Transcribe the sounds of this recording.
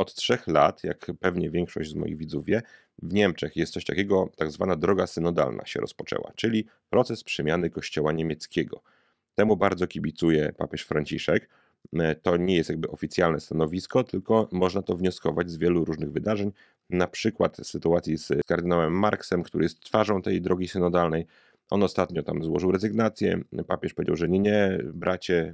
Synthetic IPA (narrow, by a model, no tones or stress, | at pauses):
ɔt̪tʂɛxlat̪ja̰kpɛvɲɛvʲjɛŋkʂɔ̰ʑd͡ʑzmɔ̰jḭɣvʲid̪zuvʲjɛ | vɲɛmt͡ʂɛxjɛst̪sɔɕʲt̪akʲɛɡɔt̪aɡzvanad̪ɾɔɡasɘnɔd̪a̰lna̰ɕɛ̰ɾɔ̰spɔt͡ʂɛ̰wa̰t͡ʂɘlʲi | pɾɔt̪sɛspʂɛmʲjanɘkɔɕt͡ɕɔwaɲemʲjɛt̪skʲɛɡɔ̰ | t̪ɛmubaɾd̪zɔkʲibʲit̪sujɛpa̰pʲjɛʂfɾaɲt͡ɕiʂɛk | t̪ɔɲɛjɛst̪jaɡ̚bɘʔɔfʲit̪sjalnɛst̪anɔvʲiskɔt̪ɘlkɔmɔʐnat̪ɔvɲɔskɔvad͡ʑzvʲjɛluɾuʐnɘɣvɘd̪aʐɛɲ | napʂɘkwa̰t̪sːɘt̪uat̪sʲjiskaɾd̪ɘnawɛmːaɾksɛmkt̪uɾɘ̰jɛst̪ːfaʐɔ̃w̃t̪ɛjd̪ɾɔɡʲisɘnɔd̪alnɛj | ʔɔ̰nɔst̪at̪ɲɔt̪amzwɔʐɨwɾɛzɘɡnat̪sʲjɛ̰papʲjɛʂpɔvʲed͡ʑawʐɛɲɛɲɛbɾʔat͡ɕɛ